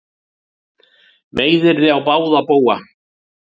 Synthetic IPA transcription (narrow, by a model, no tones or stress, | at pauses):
veːjðɪɾðɪawpaːwðapoːwa